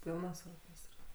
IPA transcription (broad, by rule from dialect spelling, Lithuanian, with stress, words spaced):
ˈpʲiːlˠnɐs oːrʲˈkʲeːstrɐs